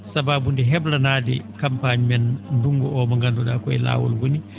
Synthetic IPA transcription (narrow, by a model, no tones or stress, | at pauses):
sababundɛɦɛblanaːdɛ̰kampaɲmɛnnduŋɡɔʔɔmaŋɡanduɗaːkɔɛ̰la̰ːwɔ̰lwoni